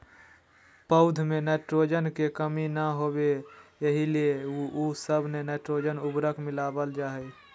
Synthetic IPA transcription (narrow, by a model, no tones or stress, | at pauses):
pəʊd̪ʱmẽnɛːʈɾod͡ʒənkekəminəɦoːbejəɦilieusəbʱnenɛːʈɾoːd͡ʒənʊbɾəkmɪlaːbəld͡ʒaːɦɛ